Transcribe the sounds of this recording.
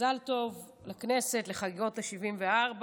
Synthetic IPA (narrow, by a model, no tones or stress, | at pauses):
alto̞v | lakne̞se̞tleχaɡiʁothaʃivimveaʁb